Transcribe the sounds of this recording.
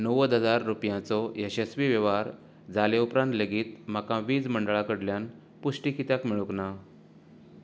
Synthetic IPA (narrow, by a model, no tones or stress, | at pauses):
nəʋəd̪ɦəd͡zaɾːupjãt͡sɔjeɕəsʋiʋjəʋaɾ | d͡zaleupɾãnt̪ləɡiːt̪m̤akãʋiːd͡zməɳɖɭakəɽljan | pusʈikit̪jakmiɭukna